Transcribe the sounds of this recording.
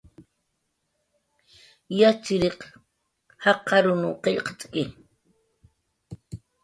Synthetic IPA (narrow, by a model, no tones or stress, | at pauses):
jat͡ʃɪɾeq | hɑqːɑɾʊnʊqeʎqḁt͡sʼkɪ